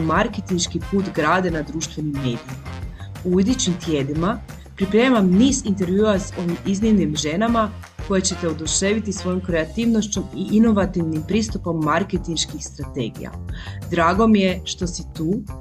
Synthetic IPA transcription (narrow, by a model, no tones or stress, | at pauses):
maɾket̪inʃkipuːt̪ɡɾaːd̪e̞nad̪ɾuːʃt̪ʋe̞nimːe̞̰ːd̪ijima | uud̪it͡ɕimt̪jeːd̪ima | pɾipɾe̞ːmamniːzint̪e̞ɾʋjuːaso̞ʋimizniʋnimʒe̞nama | ko̞je̞t͡ɕe̞t̪e̞od̪uʃe̞ʋit̪isʋo̞jomkɾe̞at̪iːʋno̞ʃt͡ɕomiʔino̞ʋat̪iʋnimpɾiːst̪upo̞mːaɾket̪inʃkixst̪ɾat̪e̞̰ːɡḭja̰d̪ɾaːɡo̞mije̞ʃt̪o̞sit̪uː